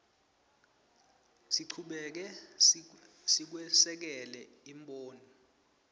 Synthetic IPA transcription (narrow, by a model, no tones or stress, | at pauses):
siǀʰuɓɛk̬ɛ | sik̬wɛsɛk̬ɛlɛ | imɓoːnɔ